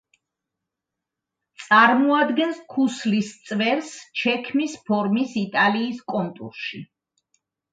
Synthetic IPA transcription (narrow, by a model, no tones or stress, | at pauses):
t̪sʼaɾmɔad̪ɡɛnskʰuslist̪sʼvɛɾst͡ʃʰɛkʰmispʰɔɾmisit̪ʼaliːskʼɔnt̪ʼṵɾʃi